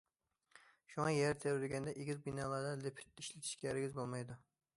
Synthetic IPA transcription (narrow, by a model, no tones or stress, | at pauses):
ʃʊŋɑjeɾɪt̪ʰeɾɾɪɡʲand̪aʔeɡʲɪlbɪnalˠaɾd̪alepʰɪ̥t̪̚ɪʃlɪt̪ʰɪ̥ʃkʲaɾɪɡʲɪzbolˠmajd̪ʊ